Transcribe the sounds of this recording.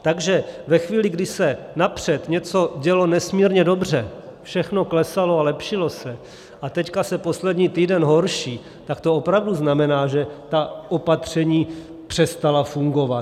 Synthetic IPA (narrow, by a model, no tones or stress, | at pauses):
t̪aɡʒɛvɛxviːlɪɡdɪsɛ | napr̝̥ɛt̪ɲɛt͡so̞ɟɛlo̞nɛsmiːɾɲɛdo̞br̝ɛfʃɛxnoklɛsaloalɛpʃɪlo̞sɛ | ʔat̪ɛckasɛpo̞slɛdɲiːt̪iːdɛnɦo̞ɾʃiː | t̪akt̪oopɾavduznamɛnaːʒɛt̪aʔopat̪r̝̥ɛɲiː | pr̝̥ɛst̪alafuŋɡo̞va